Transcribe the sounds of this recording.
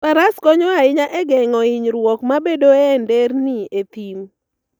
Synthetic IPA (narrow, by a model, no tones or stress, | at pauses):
paɾaskɔɲɔaɪɲaʔɛɡɛŋɔɪɲɾwɔkmabedoɛnderniet̪im